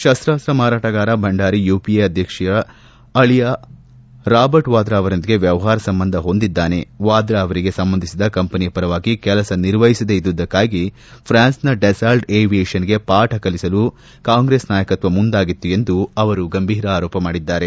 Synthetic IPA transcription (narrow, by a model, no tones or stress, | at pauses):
ʃɐst̪ɾaːst̪ɾɐmaːɾaːʈɐɡaːɾɐbʱɐɳɖaːɾijuːpieɐd̪ʱjɐkʂɐɐ | ɐɭijɐ | ɾaːbɐɾʈʋaːd̪ɾaːʋɐɾɐnd̪iɡe̞ʋjɐʋɐɦaːɾɐsɐmbɐnd̪ʱɐɦo̞nd̪id̪ːaːne̞ʋaːd̪ɾaːʋɐɾiɡesɐmbɐnd̪ʱisid̪ɐkɐmpɐnijɐpɐɾɐʋaːɡikɛlɐsɐniɾʋɐjisɐd̪eid̪ʋud̪ɐkːaːɡi | pʰɾaːnsnɐɖesaːlʈeːʋijeːʂɐnɡe̞paːʈɐkɐlisɐlu | kaːŋɡɾeːsnaːjɐkɐt̪ʋɐmund̪aːɡit̪ːue̞nd̪uɐʋɐɾuɡɐmbʱiːɾɐaːɾɔːpɐmaːɽid̪ːaːɾe̞